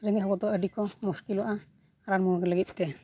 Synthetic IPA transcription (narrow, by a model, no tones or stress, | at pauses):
ɾəniɦɔkɔt̪ɔəɖikɔmuskilɔʔa | aɾaɾmuɾkɛləɡit̪̚ˀt̪ɛ